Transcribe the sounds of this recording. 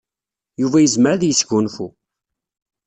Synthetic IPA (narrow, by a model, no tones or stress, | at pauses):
juvæjəzməɾaðjəsʝunfu